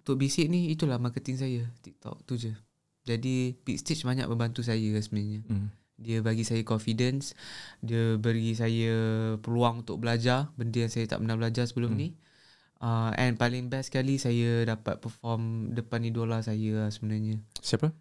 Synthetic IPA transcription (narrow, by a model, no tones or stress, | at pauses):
ut̪ʊʔ̚bisiʔ̚niit̪ulahmakət̪ɪŋs̬ajət̪ik̚t̪ɔ̰k̚t̪ud͡ʒə | d͡ʒadipik̚st̪et͡ʃbaɲa̰ʔ̚bəmbant̪us̬ajəsəbənaɲə | diəbaɡisajakɔnfidənsdiəbəɾis̬ajəpəluaŋunt̪ʊk̚bəlad͡ʒarbəndəjaŋsajat̪a̰ʔpənabəlad͡ʒasəbəlʊmni | əɛ̰npalɪŋbɛskalisajədapa̰t̪̚pərfɔmdəpanidolasajəsəbənarɲəsiapə